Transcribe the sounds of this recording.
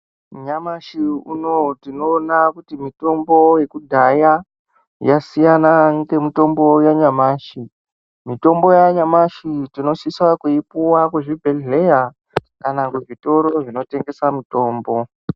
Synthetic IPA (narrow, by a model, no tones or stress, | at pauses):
ɲamaʃiṵno̞tino̞ːnakutimito̞mbo̞je̞kudʱaja | jasijanaŋɡe̞mito̞mbo̞jaɲamaːʃi | mito̞mbo̞jaɲamaʃitino̞ʃiswakuipuwakuʐibʱe̞le̞ja | kanakuʐito̞ɾo̞ʐino̞te̞ŋɡe̞samito̞ːmbo̞